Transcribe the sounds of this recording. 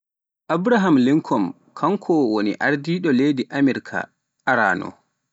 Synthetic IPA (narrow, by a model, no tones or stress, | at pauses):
ʔabɾaɦamliŋkʰɔm | kʰaŋkʰɔwonḭʔaɾdiːɗɔlejdiʔamiɾkʰa̰ | ʔaɾa̰ːnɔ̰